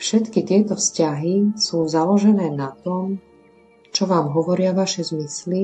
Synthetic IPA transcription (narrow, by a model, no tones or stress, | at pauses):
fʃɛt̪kit̪ɪɛt̪ɔfscaɦisuːzalɔʒɛnɛːnat̪ɔm | t͡ʃɔʋaːmɦɔʋɔɾɪaʋaʃɛzmisli